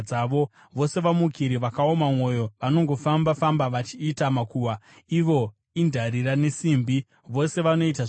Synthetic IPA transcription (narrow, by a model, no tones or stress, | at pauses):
aːʋo̞ | ʋo̞se̞ʋamukiɾiʋakaomamwo̞jo̞ʋano̞ŋɡo̞fambafambaʋat͡ʃiːtamakuːwa | iʋo̞ | indʱaɾiɾane̞siːmbi | ʋo̞se̞ʋano̞it̬a